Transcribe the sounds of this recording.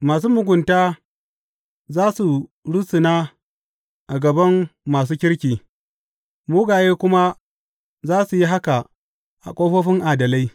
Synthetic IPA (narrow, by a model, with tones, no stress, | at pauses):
maː˨s̬uː˦mʊ˨ɡʷʊ˨ntaː˦ | zaː˦su˨ɽʊ˦sʊ˨naː˦ | ʔa˨ɡɐ˨bɐ˦mːaː˨s̬uː˦kʲɪ˦ɽkʲiː˨ | muː˦ɡaː˨jeː˦kʷʊ˦ma˦ | zaː˦su˨ji˦ɦa˦ka˨ | ʔa̰˨kʷʼoː˦ɸo˦ɸɪ˦ŋʔa˨dɐ˨la˦j